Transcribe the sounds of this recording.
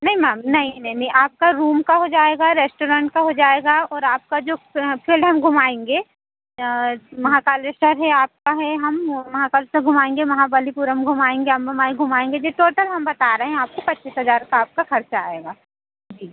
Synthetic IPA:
nɐɦĩmaːmnɐɦĩnɐɦĩnɐɦĩʔaːp̚kaɾuːmkaɦod͡ʒaːeːɡaɾeːsʈoːɾãːɳʈkaɦod͡ʒaːeːɡaɔːɾaːp̚kad͡ʒoːpʰiːlɖɦɐmɡʱʊmaːẽːŋɡeː | mɐɦãkaːlesʈəɾɦɛaːp̚kaɦɛɦɐmmɐɦãkalsəɡʱʊmaːẽːŋɡemɐɦabalipuɾəmɡʱʊmaːẽːŋɡeɦɐmɡʱʊmaːeɡʱʊmaːẽːŋɡed͡ʒeʈoːʈəlɦɐmbɐt̪aɾɐɦeɛɦɛ̃aːp̚kopɐtːt͡ʃːiːsɦɐzaːɾkaaːp̚kaxɐɾt͡ʃaaːeːɡaː | d͡ʒiː

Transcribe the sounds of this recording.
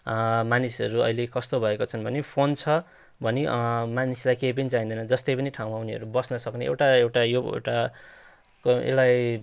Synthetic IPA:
manisʌɾuʌ̰ilekʌst̪obʱʌekot͡sʰʌnbʱʌnepʰont͡sʰʌ | bʱʌnemanislajkejp̬ʌnit͡saɦĩnd̪ʌnʌd͡zʌst̪ejpʌniʈʰaw̃mauniɦʌ̰ɾubʌsnʌsʌkneʔḛwʈaewʈajoḛwʈa | kḛlaj

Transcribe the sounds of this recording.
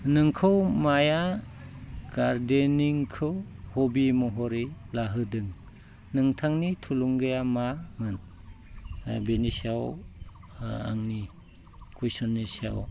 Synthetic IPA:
nɯŋkʰɯwmaja | ɡ̥aɾdeniŋkʰɯwhobimɔɦɔɾilaɦɯdɯŋ | nɯŋtʰaŋnitʰuluŋɡɯjamamɯn | benisiaw | a̰ŋni | kujsɔnːisia̰w

